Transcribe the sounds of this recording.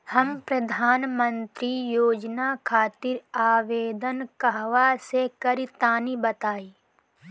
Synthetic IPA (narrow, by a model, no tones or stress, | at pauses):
hɐmpɾɐd̪ʱaːnmə̃nt̪ɾijoːd͡ʒnakʰaːt̪ɪɾaːʋeːd̪ənkəɦʋasekɐɾit̪aːnibɐt̪aːiː